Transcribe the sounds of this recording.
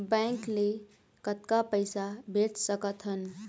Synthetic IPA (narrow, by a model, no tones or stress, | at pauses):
bə̃ŋkle | kət̪kapəjsabʱeʈsəkət̪ɦən